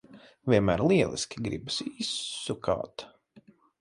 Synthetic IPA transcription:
vʲiɛnmæːɾlˠiɛlˠḭskʲiɡɾḭbsiːsuka̰ːt̪

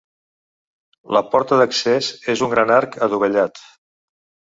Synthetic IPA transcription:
ləpɔɾt̪əðəksezezuŋɡɾanaɾkʰəðuβəʎat̪

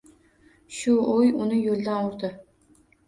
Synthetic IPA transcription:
ʃʊojʊnɪjolʲˠd̪anʊɾd̪ɤ

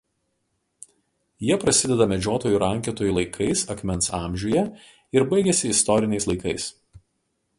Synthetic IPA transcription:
jiɛpɾɐsʲɪd̪ʲɛd̪ɐmʲɛd͡ʒʲoːt̪oːjuːɾɐŋʲkʲɛt̪oːjuːˑlˠɐɪkʰɐɪsɐkʲmʲɛnsɑːˑmʲʒʲuːjɛ | ɪɾbɐɪɡʲɛsʲɪɪst̪ɔɾʲɪnʲɛɪslˠɐɪkɐɪs

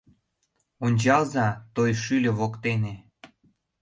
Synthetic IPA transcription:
onʲt͡ɕɑlzɑt̪ojʃylʲĕβokt̪ene

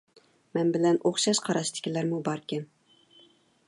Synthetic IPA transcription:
mɛnbɪlɛnoχʃɑʃqʰɑɾɑʃt̪ʰɪ̥kʲʰilæɾmubɑɾkʲɛm

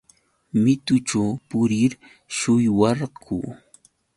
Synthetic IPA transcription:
mɪt̪ʊʈ͡ʂawpʊɾɪɾ | ʃʊjwɑɾkṵ

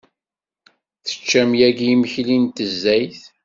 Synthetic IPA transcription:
θə̥t͡ʃːæmjæɡjiməçlint̪əzːæjθ

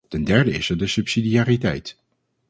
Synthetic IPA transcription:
tɛndɛɹdəɪsɛɹdəsɵpsidijaːritɛjt

